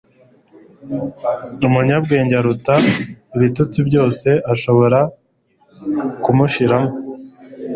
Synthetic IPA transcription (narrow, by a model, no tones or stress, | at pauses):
umuɲab̚ɡe̞ːɲɟaɾutaiβitut͡sibɟo̞ːse̞ʔaʃo̞βo̞ɾa | kumuʃiɾamo